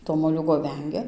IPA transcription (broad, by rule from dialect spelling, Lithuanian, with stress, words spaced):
toː moːˈlʲuːɡoː ˈʋʲɛŋʲɡʲɛ